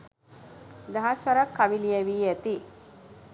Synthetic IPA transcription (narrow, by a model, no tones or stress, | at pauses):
d̪ɐɦasʋɐɾakːaʋilieʋiːæt̪i